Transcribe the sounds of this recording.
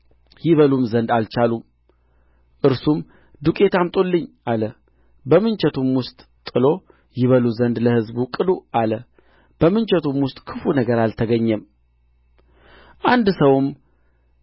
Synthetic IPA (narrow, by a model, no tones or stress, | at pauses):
jɪβəlumzənd̪alt͡ʃalum | ʔɨɾsum | d̪ukʼe̞t̪ʰamt̪ʼolːɨɲːʔalə | bəmɨnt͡ʃɛt̪ʰumwʊst̪ʼ | t̪ʼːɨlo̞ | jɪβəluzənd̪ləhɨzbukʼɨd̪uʔalə | b̥əmɨnt͡ʃɛt̪ʰumwʊst̪ʼkʰɨfunəɡəɾalt̪ʰəɡəɲːɛm | ʔand̪səwm